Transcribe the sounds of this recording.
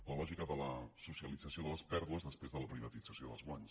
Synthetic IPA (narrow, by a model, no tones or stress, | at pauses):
ləlɔʒikəðələsusiəlid͡zəsioðələspɛɾðuəzðəspɾezðələpɾiβət̪id͡zəsijoðə̰lzɣwaɲs